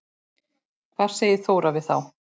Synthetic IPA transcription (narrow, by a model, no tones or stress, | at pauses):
kʰv̥aːɾ̥seːjɪθoːwɾavɪðθa̰w